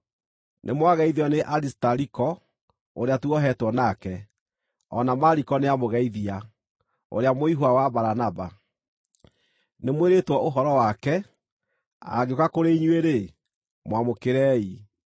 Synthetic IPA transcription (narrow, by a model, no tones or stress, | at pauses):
nʔḛmwaɣɛiðiɔneʔaɾistaɾikɔ | oɾeatuɔɦɛtwɔnakɛ | ɔ̰namaɾikɔneamoɣɛiðia | o̰ɾeamoiɦoawabaɾanaba | nemweɾetwɔʔoɦɔɾɔwakɛ | a̰ɣeokakoɾeiɲweɾe | mwamokeɾɛːi